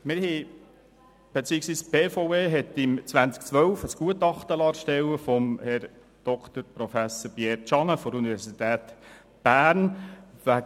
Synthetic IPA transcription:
mɪɾhi | b̥et͡siːəksʋiːspeːfoeːɦɛt̪ɪmt͡sʋænt͡skt͡sʋœwfəsɡ̥uətɑχt̪əlɑːɾʃtɛwəfɔmhɛɾ | d̪̥ɔkt̪əɾpɾɔfæsəɾpjɛːɾt͡ʃɑŋəfɔdəunivɛɾsit̪æːt̪ | b̥æːɾnʋæ

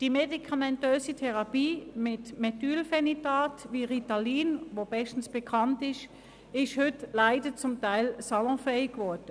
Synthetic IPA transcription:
d̥imedikʰɑmɛntøːsitʰɛʁɑpiːmɪtmɛtyːlfɛnitaːtʋiːʁitaliːnʋob̥ɛʃtn̩sb̥ekʰɑntɪʃ | ɪʃhʏtlaɪdət͡sʊmtaɪlsɑlɔ̃ːfɛɪɡʋɔɐd̥ə

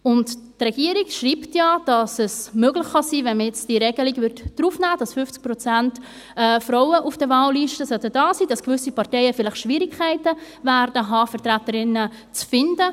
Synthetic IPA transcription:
ʊnttrɛɡ̥iːəɾikʃriːptjɑd̥ɑsɛsmøɡlɪχχɑsiːvɛnmjɛt͡sd̥iɾɛɡəliɡvʏɾtd̥ɾufnæːd̥ɑsfʏft͡sk̚pɾɔt͡sænt | ɛfɾɔʊwəʔufd̥əvɑːlːiʃtəsœtəd̥ɑːsiːd̥ɑskvʏsipɑrtɛɪəfɪlɪχʃʋiːɾikʰæɪtə | væɾdəɦɑːfəɾtɾætəɾɪnə | t͡sfɪndə

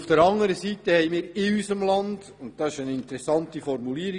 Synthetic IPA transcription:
fd̥əɾɑŋːəɾəsiːtəhɛjmiːɾɪysəmlɑnd̥ | ʊnt̚d̥ɑsɪʃənɪntəɾɛsːɑntifɔrmuliəɾi

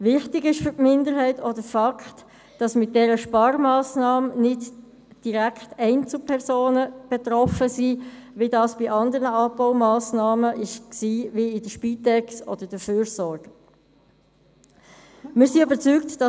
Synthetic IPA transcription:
ʋɪχtɪɡɪʃfʏɾtmɪndəɾɦɛɪtʰɔdəfɑkχt | d̥ɑsmɪt̚d̥ɛɾəʃpɑːɾmɑːsnɑːmnɪd | d̥iʁækχtɛɪnt͡supʰɛʁsoːnəb̥ɛtʁɔfəsiːʋidɑːsb̥ɪʔɑndəɾnəɑboʊmɑːsnɑːməʔɪʃksiːʋiɪdəʃpiːtɛksɔ̰d̥əd̥əføːɾsɔɾɡ̥ə | mɪːɾsiøbəɾt͡syːktd̥ɑ

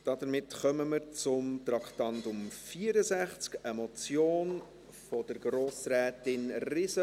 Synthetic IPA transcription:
d̥ɑd̥əɾmɪtχœməməɾt͡sʊmt̪ɾɑkʰtɑntʊmfiːəɾəzæχt͡skɛmɔt͡sjoːn | fɔd̥əɾɡɾoːsrɛːtɪnrɪsə

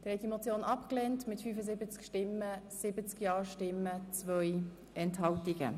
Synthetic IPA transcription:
d̥əɾhɛt̚dimot͡sjoːnʔɑpklɛntmɪtfyːfəzɪbət͡skʃtɪmːəsɪbət͡skjɑːɹʃtɪmːət͡svœj | ɛnthɑltiɡ̥ə̰

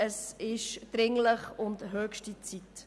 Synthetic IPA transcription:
əsɪʃd̥̪ɾɪŋləχʊntɦœːkʃtit͡sit̪

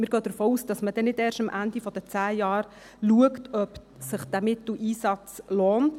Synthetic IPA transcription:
mɪːɾɡœːd̥̪əɾfoːuːsd̥ɑsmədɛnɪdɛːɾʃəmʔændifɔd̥ət͡sæːjɑːɾ | luəktœp | səχd̥æmɪt̪l̩ʔiːsɑt͡sloːnt

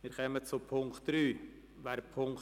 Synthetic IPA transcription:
mɪːɾkœmət͡sʊpʰʊŋktɾyː | ʋaɾpʰʊŋk

